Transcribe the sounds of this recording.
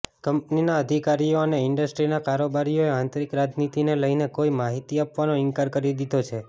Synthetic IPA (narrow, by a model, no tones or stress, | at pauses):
kəmpninaəd̪ʱikaɾijoəneɪɳɖəsʈɾinakaɾobaɾijoeãnt̪ɾikɾad͡ʒnit̪ineləinekoimaɦit̪iapʋanoɪŋkaɾkəɾid̪id̪ʱot͡ʃʰe